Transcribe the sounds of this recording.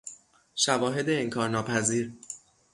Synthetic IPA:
ʃævɒːɦe̞d̪eːŋkʰɒːɾnɒːpʰæziːɾ

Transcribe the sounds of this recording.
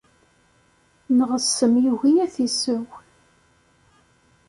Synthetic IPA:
nəʁəsːəmjuʝijæθisəw

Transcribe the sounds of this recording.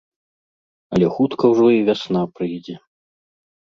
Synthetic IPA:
ɐlʲɛxut̪kɐwʐɔivʲasnapɾɨjd͡zʲɛ

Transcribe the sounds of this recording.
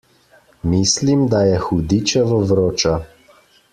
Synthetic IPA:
mislimd̪ajɛxud̪it͡ʃɛvɔvɾoːt͡ʃa

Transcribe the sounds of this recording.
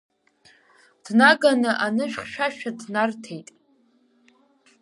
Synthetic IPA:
d̥naɡanɨʔanɨʃᶣχʃᶣaʃᶣadnartʰejtʼ

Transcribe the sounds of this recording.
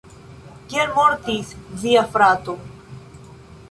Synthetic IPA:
keɾmoɾt̪isviafɾat̪o

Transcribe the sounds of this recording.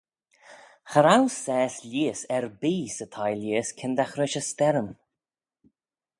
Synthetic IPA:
xəɾawsɛːslʲiːsɛɹbiːsət̪ʰajlʲiːskʰɪnd̪axɾɪʃəst̪ɛɾən

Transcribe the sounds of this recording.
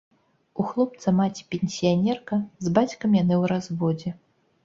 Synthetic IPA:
uxlˠɔp̚t̪sɐmat͡sʲi̥pʲenʲsʲijanʲɛrkɐzbat͡sʲkɐmjanɨwɾazvɔd͡zʲɛ

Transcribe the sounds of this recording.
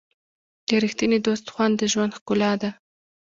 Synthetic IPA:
d̪̥əɾixt̪ined̪ost̪xwand̪əʒwand̪xkʊlɑd̪a

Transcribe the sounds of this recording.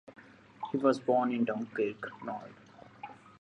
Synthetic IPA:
hiːʋɔːzbɔːɾnɪ̃nɖãnkeːknɔːɾɖ

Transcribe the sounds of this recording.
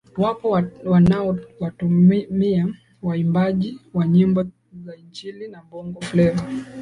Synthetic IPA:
wapɔwanaɔwatumia | waimbaʄiwaɲimbɔ | zaiɲd͡ʒilinambɔŋɡɔplɛva

